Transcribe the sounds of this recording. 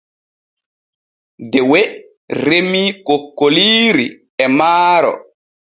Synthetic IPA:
dɛwɛ | ɾemiːkokːoliːɾḭ | ɛmaːɾɔ̰

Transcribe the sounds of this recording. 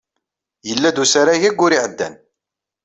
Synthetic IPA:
jəlːæd̪usaɾaʝæɡːʊɾiʕəd̪ːæ̰n

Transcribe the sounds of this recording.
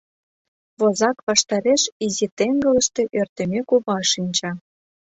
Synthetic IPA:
βozɑkβɑʃt̪ɑɾeʃizit̪eŋɡə̆lə̆ʃt̪ĕʔørt̪ə̆mʲekuβɑʃinʲt͡ɕɑ

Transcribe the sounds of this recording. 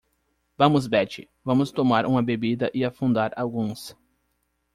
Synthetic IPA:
vɐ̃mʊzbɛt͡ʃɪ | vɐ̃mʊst̪omaɾʔũmɐbebid̪ɐʔɪafũnd̪aɾawɡũs

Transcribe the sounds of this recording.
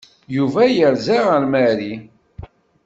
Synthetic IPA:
juvæjəɾzaʁəɾmæɾi

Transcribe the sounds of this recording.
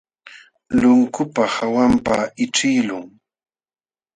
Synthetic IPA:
lʊŋkʊpahawampaɪʈ͡ʂɪjlʊŋ

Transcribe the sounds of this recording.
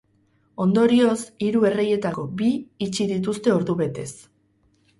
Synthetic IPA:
o̞nd̪o̞ɾio̞siɾue̞re̞je̞t̪ako̞biːt͡ʃiðit̪̬ust̪e̞o̞ɾðuβe̞t̪e̞s

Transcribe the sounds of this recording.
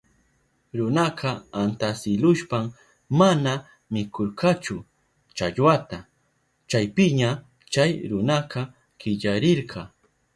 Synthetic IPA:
ɾʊnɑqɑant̪asɪlʊʃpam | mana | mɪkʰoɾqɑt͡ʃʊ | t͡ʃaʎwat̪a | t͡ʃajpɪɲa | t͡ʃajɾʊnɑqʰɑ | kɪʎaɾɪɾqʰɑ

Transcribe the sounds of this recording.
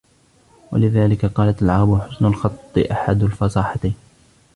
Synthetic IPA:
wa̰lɪðaːlɪkaqɑːlat̪alʕɑːɾbʊħʊsnʊlxɑt̪ˤːɨ̰ʔaħad̪alfɑsˤɑːħat̪ajːn

